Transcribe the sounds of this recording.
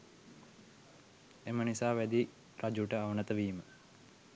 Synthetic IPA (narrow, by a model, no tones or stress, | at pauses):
emənisaːʋæd̪i | rad͡ʒuʈəaʋənət̪əʋiːmə